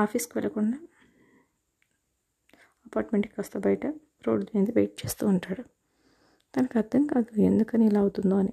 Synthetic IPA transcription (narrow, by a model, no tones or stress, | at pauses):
aːpʰiːskiʋɛlɐkuɳɖa | ɐpaːɾʈmeɳʈki̥kɐst̪ɐːbɐjɐʈɐ | ɾo̞ːɖd̪eːnd̪iʋejʈ̚t͡ʃeːst̪uːɳʈaːɽu | t̪ɐnɐkɐd̪ːɐŋkɐd̪ɐend̪ukɐniilaːɐwut̪und̪oːɐni